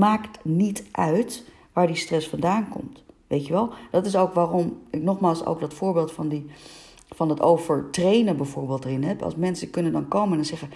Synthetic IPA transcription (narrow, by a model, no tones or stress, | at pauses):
maːktnitʔœɥt | ʋaːɹdistrɛsfɑndaːnkɔ̰mtʋejtəʋɛlˠd̥ɑtɪsowkʋaːrɔmɪknɔχmaːlˠso̰wkdɑtfʊːɹbeːlˠtfɑndi | fɑnɦətowvəɹtrejnənbɛjvʊːɹbeːlˠtərɪnɦɛpɑ̰lˠsmɛnsəkɵnəndɑnkowmənɛnzɛχə